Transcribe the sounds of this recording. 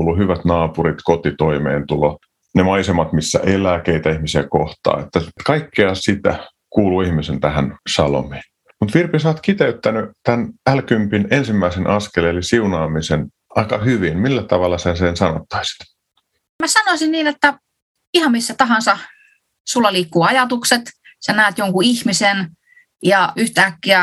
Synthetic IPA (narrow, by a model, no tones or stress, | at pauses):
luhyʋæt̪nɑːpurit̪kot̪it̪oimḛːnt̪ulo | nemɑisemɑt̪misːæ̰ʔelˑæːkeit̪æihmisiæko̰ht̪ɑ̰ːet̪ːæt̪kɑikːeɑsit̪æ̰ | kuːluihmisent̪æhænsɑlo̰mi̥ːn | mut̪ʋirpisɑːt̪kit̪eyt̪ːænyt̪ænælkympinensimːæisenʔɑskeleelisiunɑːmisen | ʔɑikɑhyʋinmilːæt̪ɑʋɑlːɑsensensɑno̰t̪ːɑ̥isi̥t̪ | mæsɑnoisinniːnet̪ːæ | ihɑmmisːæt̪ɑɦɑnsɑ | sulːɑliːkːuːɑjɑt̪ukset̪ | sɑnæˑːt̪joŋkuihmisen | jɑyht̪æːkːiæ